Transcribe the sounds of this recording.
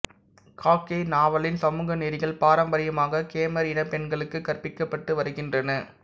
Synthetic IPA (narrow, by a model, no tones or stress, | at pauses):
kʰaːkːeːnaːʋɐɭɪnsɐmuːɣɐneːɾɪɣɐɭpaːɾɐmbɐɾɪjɐmaːɣɐkeːmɐɾɪnɐpɛnɡɐɭɯkːɯkːɐrpɪkːɐpːɐʈːɯʋɐɾɯɣɪndrɐnɐ